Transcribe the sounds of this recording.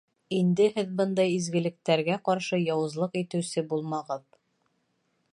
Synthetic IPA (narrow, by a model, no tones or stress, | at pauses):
ind̪ɘhɘðbɤnd̪ɑjizɡɘ̆lɘ̆k̚t̪æɾɡæqɑɾʃɤjɑwɤ̆zlˠɤqit̪ɘ̆wsɘbulˠmɑʁɤð